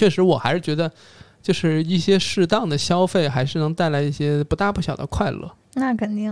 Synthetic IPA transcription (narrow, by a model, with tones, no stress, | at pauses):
t͡ɕʰɥɛ˥˩ʂɻ̩˧˥wɔ˨˩xa˧˥ɪʂɻ̩˥˩t͡ɕɥɛ˧˥d̪ə˧ | t͡ɕjo˥˧ʊʂɻ̩˥˧i˥˩ɕjɛ˥ʂɻ̩˥˧t̪ɑ˥˩ŋd̪ə˩ɕjɑ˥ʊfe˥˩ɪxa˧˥ɪʂɻ̩˥˩nɤ˧˥ŋt̪a˥˩ɪla˧˥ɪi˥˩ɕjɛ˥pu˧˥t̪a˥˧pu˥˩ɕjɑ˨˩ʊd̪ə̰˦kʰwa˥˧ɪlɤ̰˥˩ | na˥˩kʰə˨˩nt̪i˥˩ŋ